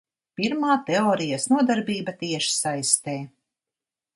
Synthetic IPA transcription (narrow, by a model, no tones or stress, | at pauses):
piɾmaːt̪ɛɔːɾijasnuɔd̪aɾbiːbat̪iɛʃi̥sajst̪eː